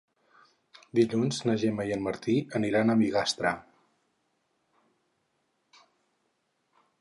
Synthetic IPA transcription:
d̪iʎunznəʒeməjənməɾt̪iəniɾanəmiɣast̪ɾə

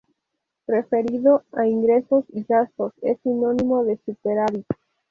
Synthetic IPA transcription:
ɾe̞fe̞ɾiðo̞aiŋɡɾe̞so̞sizasto̞se̞sino̞nimoðe̞supe̞ɾaɾi

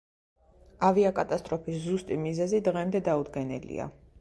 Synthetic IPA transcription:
aviakʼat̪ʼast̪ʼɾɔpʰiszust̪ʼimizɛzid̪ʁɛmd̪ɛd̪aud̪ɡɛnɛ̰lḭa̰

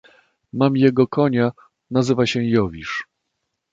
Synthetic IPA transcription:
mamjɛɡɔkɔɲa | nazɘvaɕɛjɔvʲiʂ

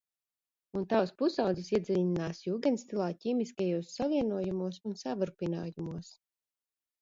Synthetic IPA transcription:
unt̪awspusawd̪zisiɛd̪zilʲinaːsjuːɡɛnst̪ilˠaːciːmiskajuɔːsːaviɛnuɔjumuɔsunsavɨɾpina̰ːjumuɔs

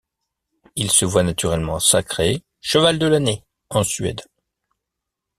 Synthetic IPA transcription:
ilsəvwanat̪yʁɛlmɑ̃sakχe | ʃəvald̪əlane | ɑ̃sɥɛ̰d̪

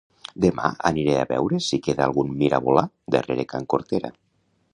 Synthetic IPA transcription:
d̪ema̰a̰niɾeaβɛ̰wɾesikeðaalˠɣunmiɾʔa̰βola | d̪ereɾekaŋkoɾt̪eɾa̰

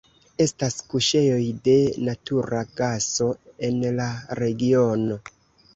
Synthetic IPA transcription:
e̞staskuʃe̞jo̞jde̞natuɾaɡaso̞e̞nlaɾe̞ɡio̞no̞

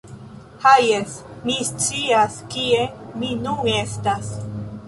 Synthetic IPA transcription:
hajesmist͡siaskieminune̞stas

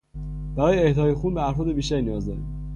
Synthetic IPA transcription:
b̥æɾɒːjeeht̪ʰɒːjexuːnbeæɾfɒːd̪e̞biːʃt̪æɾiːnijɒːzd̪ɒɾḭm

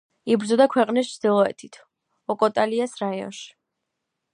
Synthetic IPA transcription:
ibɾd̪zɔd̪akʰwɛqʼnis̬t͡ʃʰd̪ilˠɔɛ̰t̪ʰit̪ʰ | ɔkʼɔt̪ʼaliasɾaiɔ̰nʃi̥

